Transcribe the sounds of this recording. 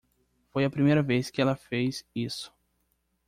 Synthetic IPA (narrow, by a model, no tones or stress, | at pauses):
fojɐpɾimejɾɐveskɪɛlɐfejzisʊ̥